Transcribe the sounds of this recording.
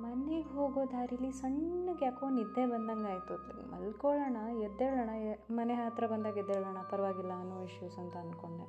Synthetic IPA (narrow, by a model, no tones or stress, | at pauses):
mɐneɡeɦoːɡoːd̪aːɾilisɐɳːɐɡjaːkonid̪ːebɐnd̪ɐŋɡaːjt̪u | mɐ̰lkoɭɐɳɐɛd̪ːeɭɐɳɐemɐneɦaːt̪ɾɐbɐnd̪aːɡɛd̪ɛɭɐɳɐpɐɾɐʋaːɡilːɐːnːuːʋiʂjuːsɐnt̪ɐɐnd̪ko̞ɳɖe